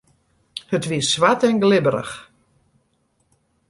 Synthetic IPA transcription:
hətʋiəssʋatɛnɡlɪbəɾə̰x

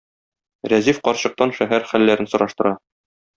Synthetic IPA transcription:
ɾæzifqɒɾɕɤ̆q̚t̪ɑnʃæɦæɾχælːæɾɘnsŏɾɑʃt̪ɤ̆ɾɑ

